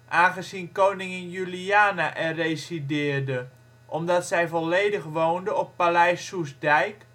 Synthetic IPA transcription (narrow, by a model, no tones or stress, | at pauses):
ʔaːɣəzinkownɪŋənjyliaːnaʔɛrejsidɪːrdə | ʔɔmdɔtsɛjvɔleːdəxʋowndəɔpːalɛjsːusdɛjk